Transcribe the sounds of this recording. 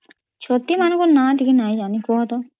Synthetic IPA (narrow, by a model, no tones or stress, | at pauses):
t͡ʃʰot̪ːimanukɔnat̪ikinajd͡ʒanikuɦɔt̪ɔ